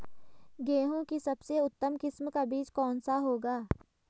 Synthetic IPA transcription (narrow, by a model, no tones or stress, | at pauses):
ɡeːɦõkisɐbseʊt̪ːəmkɪsmkabiːt͡ʃkɔːnsaɦoːɡaː